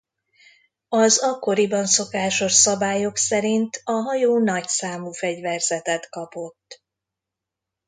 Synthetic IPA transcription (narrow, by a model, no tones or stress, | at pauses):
ɒzɒkːo̞ɾibɒnso̞kaːʃo̞ʃsɒbaːjo̞ksɛɾint̪ɒɦɒjoːnɒcsaːmufɛɟvɛrzɛt̪ɛt̪kɒpo̞t̪ː